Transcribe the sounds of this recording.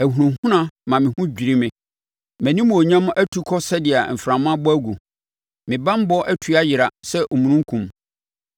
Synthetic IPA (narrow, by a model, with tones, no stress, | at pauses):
æ˨hu˨ɾũ˨˦hʊ̃˦nã˦mã˨mɪ̃˨hʊ̃˦d͡ʑᶣi˨ɾi˦mɪ̃˨ | mæ̃˨nĩ˦m̃˨o˨ɲã˦m̃˦ʔæ˦tʰu˦kʰɔ˦sɛ˦dɪ˨a˨m̩˨fɾã˨mã˦bɔ˦æ˦ɡu˨ | mɪ̃˨bã˦m̩˦bɔ˦ʔæ˦tʰu˦a˦jɪ˨ɾa˨sɛ˦ʔo˨mũ˨nũ˦ŋ̩˦kʰũ˨m